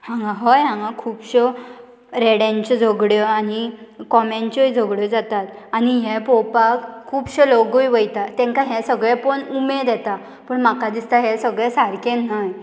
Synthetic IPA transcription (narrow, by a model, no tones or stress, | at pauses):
hãŋɡãɦɔjɦãŋɡãkʰuːbɕɔ | ɾɛɽãɲt͡ɕɔd͡zʱɔɡɽjɔanikɔmaɲt͡ɕɔjd͡zʱɔɡɽjɔd͡zat̪at̪aniɦɛ̃pɔpakkʰːuːpɕeloɡojʋəjt̪at̪ɛ̃ŋkaɦɛ̃səɡɭɛpəɳumed̪ɛt̪a | pəɳm̤akad̪ist̪aɦɛsəɡɭɛsaɾkẽnːaj